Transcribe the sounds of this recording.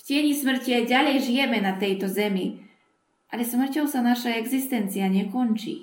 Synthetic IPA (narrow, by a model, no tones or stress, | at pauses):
fcɛɲismr̩ciajɟalɛjʒijɛmɛnat̪ɛjt̪ɔzɛmi | ʔalɛsmr̩cɔwsanaʃaɛɡzist̪ɛnt̪t͡sijaɲɛkɔnt͡ʃḭ